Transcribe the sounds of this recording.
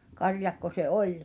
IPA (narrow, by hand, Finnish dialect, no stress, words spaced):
kɑrjɑkːo se ʔolʲ